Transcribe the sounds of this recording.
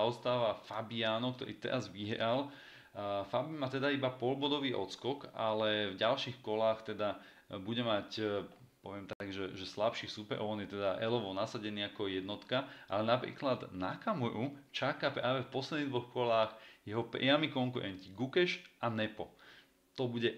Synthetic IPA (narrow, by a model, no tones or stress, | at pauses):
ɔst̪aːʋafabiaːnɔk̚t̪ɔ̰ɾḭːt̪ɛ̰ɾazʋiɦɾal | fabimat̪ɛd̪aibapɔlbɔd̪ɔʋiːʔɔ̰t͡skɔka̰lɛvɟalʃixkɔlaːxt̪ɛd̪a | buɟɛmac | pɔʋɪɛmt̪aɡʒɛʒɛslapʃiːsupɛɾʔɔ̰ʊɔnjɛt̪ɛd̪aʔɛlɔʋɔnasaɟɛniːakɔjɛd̪nɔt̪kaʔalɛnapɾḭːklad̪na̰kamɔɾut͡ʃakapɾaːʋɛfpɔslɛd̪niːd̪ʋɔxkɔlaːɣjɛɦɔpɾ̰amikɔŋkuɾɛ̰nciɡukɛʃanɛpɔ | t̪ɔbuɟɛ